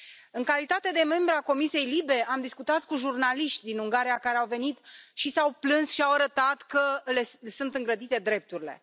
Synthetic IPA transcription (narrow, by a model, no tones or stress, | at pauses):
ɨŋkalit̪at̪e̞d̪e̞me̞mbɾeako̞misie̞jlibe̞ʔamd̪iskut̪at̪kuʒurnaliʃt̪ʲd̪inuŋɡaɾijakaɾe̞awve̞nit̪ʃisawplɨnsʃiawaɾət̪at̪kəle̞sunt̪ɨŋɡɾəd̪it̪e̞d̪ɾe̞p̚t̪uɾile̞̰